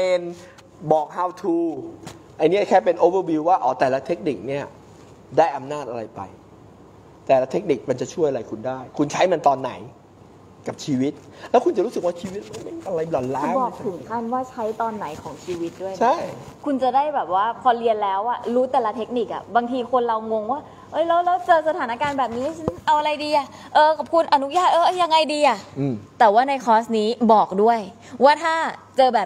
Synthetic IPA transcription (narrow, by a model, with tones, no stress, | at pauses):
eː˧n | bɔː˨˩k̚haː˧˩wt̪ʰuː˧ | ʔa˧jni˦˥ɐ˨˩kʰɛː˥˩pe˧nʔoː˦wə˧˥˩wi˧wːaː˥˩ʔɔː˩˦t̪ɛː˨˩la˦˥t̪ʰe˦˥k̚ni˨˩k̚ni˥˩ɐ | daː˥˩jʔa˧mnaː˥˩t̪̚ʔa˧ɾa˧jpa̰˧j | t̪ɛː˨˩la˦˥t̪ʰe˦˥k̚ni˨˩k̚ma˧nt͡ɕa˨˩t͡ɕʰu˥˩jʔa˧a˧jkʰu˧ndaː˥˩jkʰu˧nt͡ɕʰa˦˥jma˧nt̪ɔː˧nːa̰˩˦j | ka˨˩p̚t͡ɕʰiː˧wi˦˥t̪̚ | lɛː˦˥wkʰu˧nt͡ɕa˨˩ɾu˦˥sɯ˨˩k̚waː˥˩t͡ɕʰiː˧wi˦˥t̪̚a˧˥˩me˧˥˩a˧a˧jlɔ˨˩laː˦˧˥kbɔː˨˩k̚t̪ʰɯ˨˩˦ŋkʰa˥˩nwaː˥˩t͡ɕʰa˦˥jt̪ɔː˧nːa˩˦jkʰɔː˩˦ŋt͡ɕʰiː˧wt̪̚du˥˩ət͡ɕʰa˥˩jkʰu˧nt͡ɕa˨˩daː˥˩jbɛː˨˩p̚waː˥˩pʰɔː˧li˧ənlɛː˦˥wʔa˨˩ɾuː˦˥t̪ɛː˨˩la˧t̪ʰe˦˥k̚ni˨˩k̚ʔa̰˨˩baː˧ŋt̪ʰiː˧kʰo˧nɾa˧wŋo˧ŋwaː˥˩ | ʔɤ˦˥˩jlɛː˦˥wlɛː˦˥wt͡ɕɤː˧sa˧t̪ʰaː˩˦na˦˥kaː˧nbɛː˨˩p̚niː˦˥˧t͡ɕʰa˦˥nʔa˧wʔa˧ɾa˧jdiː˧ʔa˨˩ | ʔɤː˧kʰɔː˨˩p̚kʰu˧nʔa˧nu˦˥jaː˥˩t̪ʔɤː˧ʔa˥ja˧ŋːa˧jdiː˧ʔa˨˩˧t̪ɛː˨˩waː˥˩na˧jkʰɔː˦˥sniː˦˥bɔː˨˩k̚du˥˩əj | waː˥˩t̪ʰaː˥˩t͡ɕɤː˧bɛː˨˩p̚